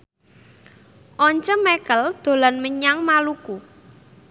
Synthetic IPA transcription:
ʔɔɲt͡ʃəmɛkəld̪̥o̤lanməɲaŋmaluku

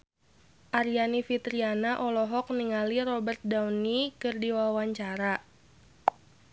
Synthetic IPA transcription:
ʔaɾianifit̪ɾianaʔɔlɔɦɔk̚niŋaliɾɔbərt̪̚dawnikɨrdiwawaɲt͡ʃaɾa

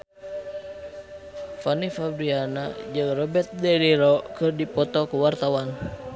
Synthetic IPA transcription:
fanifabɾianad͡ʒɨŋrɔbɛrt̪̚dɛliɾɔkɨrdipɔt̪ɔkuwart̪awan

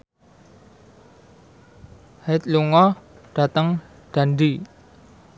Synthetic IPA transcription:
hat̪̚luŋɔ | ɖ̥a̤t̪əŋ | ɖ̥a̤nd̪i

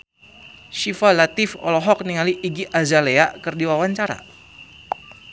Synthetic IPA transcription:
ʃifalat̪ifɔ̰lɔɦɔk̚niŋaliʔiɡiʔazaleakɨrdiwawaɲt͡ʃaɾa̰

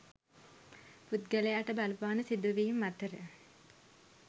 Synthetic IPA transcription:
put̪̚ɡəlejaːʈəbalʋaːnəsid̪uʋiːumːat̪əɾə

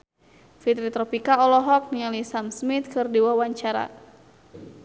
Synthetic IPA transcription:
fit̪ɾit̪ɾɔpikaɔlɔɦɔk̚nialisamsmit̪̚kɨrdiwawaɲt͡ʃaɾa̰

